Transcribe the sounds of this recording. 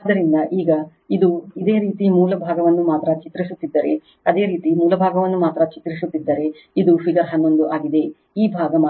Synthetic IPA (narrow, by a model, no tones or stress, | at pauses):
d̪ːɐɾind̪ɐʔiːɡɐ | id̪uid̪e̞ːɾiːt̪imuːlɐbʱaːɡɐʋɐnːumaːt̪ɾɐt͡ʃit̪ɾisut̪ːid̪ːɐɾe̞ | ɐd̪e̞ːɾiːt̪imuːlɐbʱaːɡɐʋɐnːumaːt̪ɾɐt͡ʃit̪ɾisut̪ːid̪ːɐɾe̞ | id̪upʰiɡɐɾɦɐnːond̪uʔaːɡid̪e̞ | iːbʱaːɡɐmː